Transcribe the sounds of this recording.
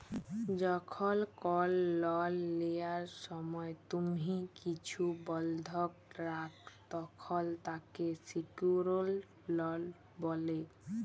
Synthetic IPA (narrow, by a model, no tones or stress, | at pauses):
d͡ʑɔkʰɔlkɔlːɔlːejaɾʃɔmɔet̪umikit͡ɕʰubɔld̪ʱɔkɾakt̪ɔkʰɔlt̪akesikuɾolː | ɔl | bɔle